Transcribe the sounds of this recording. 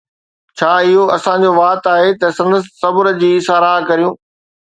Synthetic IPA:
t͡ɕʰaːɪɦoɐsã̆d͡ʑoʋaːt̪aːɦet̪ɐsɐ̃nd̪əsːɐbɾd͡ʑiːɪsaːɾaːɦkɐɾijũː

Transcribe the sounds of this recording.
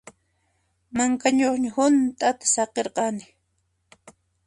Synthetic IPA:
maŋkaɲoχɲahʊnt̪ʼat̪ḁsɑqeɾqɑnɪ

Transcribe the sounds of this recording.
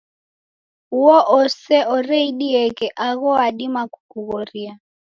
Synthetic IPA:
uɔʔɔsɛɔrɛiɗiɛkɛʔaɣɔaɗimakukuɣɔria

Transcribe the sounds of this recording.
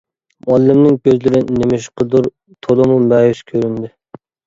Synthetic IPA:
mɑlˠːɪmnɪŋkʲʰøzlɪɾɪnemɪʃqʰəd̪uɾ | t̪ʰolˠɨmumæjyʃkʲʰøɾynd̪ɪ

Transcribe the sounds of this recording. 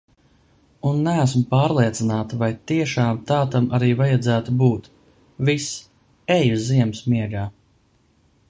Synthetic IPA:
unːææsmʊpɑːɾlˠiɛt̪sinaːt̪vajt̪iɛʃaːmt̪ɑːt̪amaɾiːvajad̪zæːt̪ubuːt̪ | vis | ɛjuziɛmsmiɛɡaː

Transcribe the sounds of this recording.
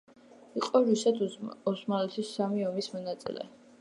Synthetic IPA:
iqʼɔɾusɛd̪ɔsmalɛt̪ʰisːamiɔmismɔnat̪sʼḭlɛ̰

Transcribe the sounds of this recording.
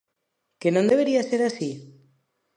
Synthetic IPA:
kenõnd̪eβ̞eɾiaseɾasi

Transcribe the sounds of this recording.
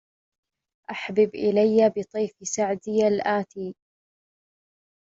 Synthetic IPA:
ʔaħbɪbʔɪlajːabɨt̪ˤijːfsaʕd̪ɪjalʔaːt̪iː

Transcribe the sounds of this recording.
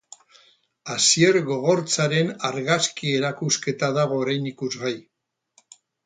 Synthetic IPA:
asie̞ɾɣo̞ɣ̞o̞ɾt͡saɾe̞naɾɣaskie̞ɾakuske̞t̪aðaɣ̞o̞ːɾajnikuzɣaj

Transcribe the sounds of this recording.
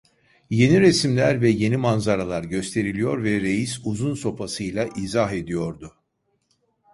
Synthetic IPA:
je̞niɾesimlʲæɾvɛje̞nimanzaɾalˠaɾɟø̞st̪ʰe̞ɾilʲijo̞ɾvɛɾe̞jisuzunso̞pʰasɯjlʲˠaʔizaɦe̞d̪ijo̞ɾd̪ʊ

